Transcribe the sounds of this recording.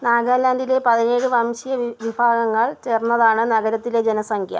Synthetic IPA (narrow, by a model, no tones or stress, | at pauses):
naːɡaːlaːndile̞pɐðine̞ːɽɨʋɐmɕijɐʋibʱaːɣɐŋːɐɭt͡ɕeːrnːɐðaːɳɨnɐɣɐɾɐt̪ːile̞d͡ʑenɐsɐŋkʰjɐ̰